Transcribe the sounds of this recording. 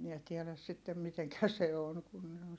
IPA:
miɛ tiɛlæs sitːem miteŋkæ se on kun ne on

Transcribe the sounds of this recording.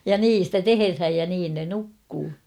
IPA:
jɑ niːn̞ stæ teherhæj jɑ niːn ne nukːuː

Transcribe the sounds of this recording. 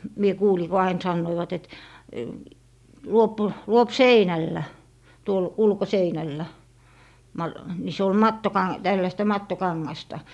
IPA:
mie kuːli ko ɑin sɑnːoiʋɑt et luop luop seinælːæ tuol ulkoseinælːæ mɑ ni se ol mɑtːokɑ tælːæstæ mɑtːokɑŋːɑstɑ

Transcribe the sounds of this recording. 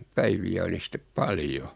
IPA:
pæiʋiæ oli sĭtːep pɑljo

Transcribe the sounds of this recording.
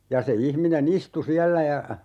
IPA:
jɑ se ihminen istu siælːæ jɑ

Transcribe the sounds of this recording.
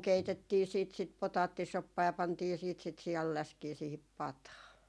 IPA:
keitetːiː siːt sit potɑːtːisopːɑː jɑ pɑntiː siːt sit siɑlːæskiː siːhip pɑtɑː

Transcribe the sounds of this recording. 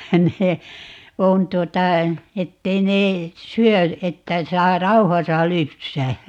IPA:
ne on tuotɑ etːei ne syø etːæ sɑː rɑuhɑsɑ lypsæː

